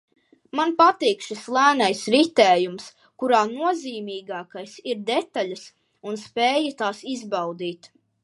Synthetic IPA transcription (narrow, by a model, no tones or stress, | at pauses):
manpat̪iːkʃislˠæːnajsɾit̪ɛːjums | kuɾaːnuɔziːmiːɡaːkajsiɾd̪ɛt̪aʎʲas | unspeːjat̪aːsizbɑwd̪iːt̪